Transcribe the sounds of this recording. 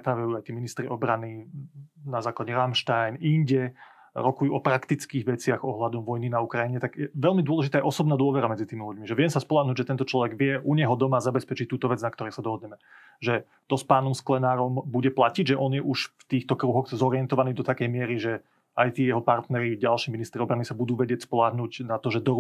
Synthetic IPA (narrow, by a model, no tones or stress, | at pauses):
t̪ɾaːʋajuːajt̪iːminist̪ɾiʔɔbɾani | nazaːklˠaɟɛɾamʃt̪ajniɲɟɛ | ɾɔkujuːɔpɾakt̪it͡skiːɣʋɛt͡sɪaɣɔɦlad̪ɔmʋɔjninaukɾajiɲɛt̪aɡjɛʋɛʎmid̪ʊɔlɛʒit̪aːɛʔɔsɔbnaːd̪ʊɔʋɛɾamɛd͡zit̪iːmiluɟmiʒɛʋɪɛmsaspɔlaːɦnuːɟʒɛt̪ɛnt̪ɔt͡ʃlɔʋɛɡʋɪɛʔuɲɛɦɔd̪ɔmazabɛspɛt͡ʃit̪uːt̪ɔʋɛd͡znakt̪ɔɾɛjsad̪ɔɦɔd̪ɲɛmɛ | ʒɛ | t̪ɔspaːnɔmsklɛnaːɾɔmbuɟɛplaciɟʒɛʔɔnjɛʔuʃft̪iːxt̪ɔkɾuɦɔxzɔɾɪɛnt̪ɔʋaniːd̪ɔt̪akɛjmɪɛɾiʒɛ | ajt̪iːjɛɦɔpaɾt̪nɛɾiɟalʃiːminist̪ɾiɔbɾanisabud̪uːʋɛɟɪɛcspɔlaːɦnuːɟnat̪ɔʒɛd̪ɔɾ